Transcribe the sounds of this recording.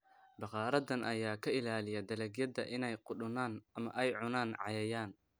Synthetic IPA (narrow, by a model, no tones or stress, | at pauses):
bɑqɑːɾɐðɐnʔɐjaːkʰɐɪlaːlɪjɐd̪ɐlɛɡjɐd̪ɐʔɪnɛjqʊɗʊnaːnɐmɐ̰ʔɛjʕʊnaːnʕɑ̰jɐjaːn